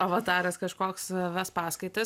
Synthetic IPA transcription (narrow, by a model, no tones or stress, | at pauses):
ɐʋɐt̪ɑːɾɐskɐʃkoːksʋʲɛspɑːskɐɪt̪ɐ